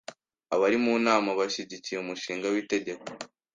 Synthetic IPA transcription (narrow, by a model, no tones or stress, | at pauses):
aβaɾimuːnaːmaβaʃiɟicijeumuʃiːŋɡawite̞ɟe̞ko